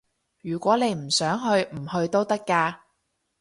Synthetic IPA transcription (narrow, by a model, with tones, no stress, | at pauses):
jyː˨˩kʷɔː˨˥ne˨˧jm̩˨˩sœː˨˥ŋɦɵ˧ɥm̩˨˩hɵ˧ɥt̪o˥wt̪ɐ˥kːaː˧